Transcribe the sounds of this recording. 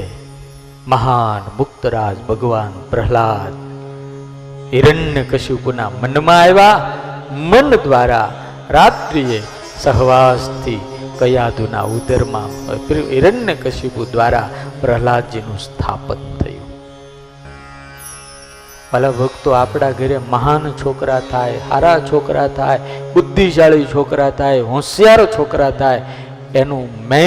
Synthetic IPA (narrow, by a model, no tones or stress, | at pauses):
məɦanmʊkt̪əɾaːd͡ʒbʱəɡʋaːnpɾəɦlad͡ʒ | iɾəɳjəkəʃupunamənmãeʋa | mənd̪ʋaɾa̰ | ɾat̪ɾie | səɦʋaːst̪ʰi | kəjaːd̪ʱuna̰ud̪əɾmã̰pɾiiɾəɳjəkəʃupud̪ʋaɾa̰pɾəɦlad͡ʒinũst̪ʰa̰pət̪t̪ʰːə̰jṵ̃ | ələbʱəɡt̪oapɽaɡʱəɾeməɦant͡ʃʰokɾat̪ʰajha̰ɾat͡ʃʰokɾat̪ʰajʊd̪ːid͡ʒaɭit͡ʃʰokɾat̪ʰajɦɔ̃sjaɾt͡ʃʰokɾat̪ʰaj | enũmɛ